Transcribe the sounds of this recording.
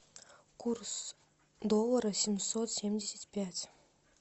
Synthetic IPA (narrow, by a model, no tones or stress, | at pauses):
kʰurs | d̪olˠːəɾəsʲɪmʲsot̪sʲemʲdʲesʲet̪ʲpʲæt̪ʲ